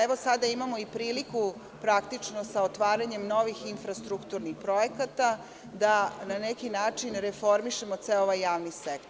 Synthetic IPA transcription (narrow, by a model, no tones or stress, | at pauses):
eʋo̞sad̪aimamo̞ipɾiːliku | pɾakt̪it͡ʂno̞saot̪ʋaːɾaɲe̞mno̞ʋixinfɾast̪ɾukt̪uɾnixpɾo̞jekat̪a | d̪ananekinaːt͡ʂinɾefo̞ɾmiʃe̞mo̞t̪seoʋajːaːʋnisekt̪o